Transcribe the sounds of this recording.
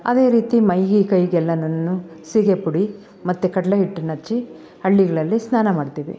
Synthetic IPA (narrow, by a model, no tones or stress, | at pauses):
ɐ̰d̪e̞ːɾiːt̪imɐjɡikɐjɡɛlːɐnɐnːusiɡepuɽi | mɐt̪ːukɐʈlɐɦiʈːnɐt͡ʃːi | hɐɭːiɡɐɭɐlːisnaːnɐmaːɖt̪iːʋḭ